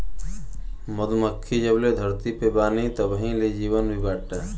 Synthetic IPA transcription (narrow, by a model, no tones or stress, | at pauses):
məd̪məkʰːid͡ʒəbled̪ʱəɾt̪ipebaːnit̪əbəɦĩled͡ʒiːwənbʱibaːʈːaː